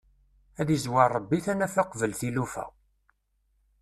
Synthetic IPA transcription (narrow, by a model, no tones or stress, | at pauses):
æðizwɑɾˤːəbːiθænæfaqvəlθilufæ̰